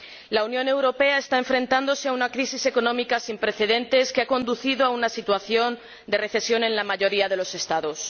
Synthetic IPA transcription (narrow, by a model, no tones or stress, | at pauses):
launjõ̞ne̞wɾo̞pe̞ae̞st̪ae̞ɱfɾẽ̞nt̪and̪o̞se̞aunakɾisise̞ko̞nõ̞mikasimpɾe̞θe̞ðẽ̞nt̪e̞skeako̞nd̪uθiðoaunasit̪waθjo̞n | d̪e̞re̞θe̞sjo̞nẽ̞nlamaʝo̞ɾiað̞e̞lose̞st̪aðo̞s